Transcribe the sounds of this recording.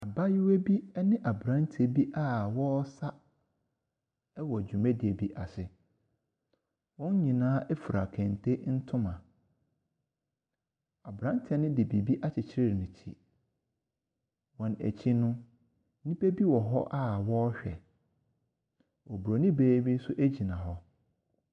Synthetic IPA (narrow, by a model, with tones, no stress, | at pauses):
a˨ba˦jɪ˦we˦bi˦ɛ˦nɪ̃˦ʔa˨bɾã˦n˦tʰe˦˨bi˦ʔa˦wɔ˦sa˦ | ɛ˦wɔ˨d͡ʑᶣu˨mɛ̃˦dɪ˨e˨bi˦ʔa˨sɪ˨ | wɔ̃˦ɲ˦ɲĩ˨nãː˦ʔɛ˦fu˨ɾa˨kʰɛ̃˨n˨tʰe˦n̩˦tʰʊ̃˦mã˨ | a˨bɾã˦n˦tʰɛ˦nɪ̃˦dɪ˨bi˨bi˦ʔa˦t͡ɕʰɪ˨t͡ɕʰɪ˦ɾɪ˦˨nʊ̃˨t͡ɕʰḭ˨ | wɔ̃˨næ̰˨t͡ɕʰi˦nʊ̃˦ | nĩ˦pe˦bi˦wɔ˨ɦɔ̰˦ʔa˦wɔ˦ɕᶣɛ̰˨ | wɔ˨bu˨ɾo˨nĩ˦beː˦bi˦n̩˦sʊ˦ʔæ˦d͡ʑi˨nã˨ɦɔ˦